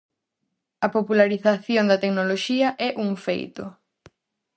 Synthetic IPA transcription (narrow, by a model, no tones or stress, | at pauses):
ɐpopulaɾiθaθjoŋd̪ɐt̪eknoloʃiɐʔɛʔuŋfḛjt̪ʊ̰